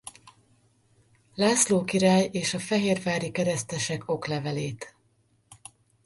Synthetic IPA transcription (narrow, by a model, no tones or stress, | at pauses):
laːsloːkiɾaːjeːʃɒfɛɦeːrvaːɾikɛɾɛst̪ɛʃɛko̞klɛvɛleːt̪